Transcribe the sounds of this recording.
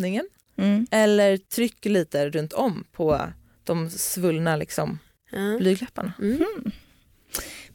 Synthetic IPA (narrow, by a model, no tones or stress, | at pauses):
nɪŋən | ɛlːəɾt̪ʰɾʏkːliːt̪əɾɵnt̪ʰɔmːpʰɔ | d̪̥ɔmsvɵlːnalɪ̰ksɔm | blyːɡlɛpːa̰ɳa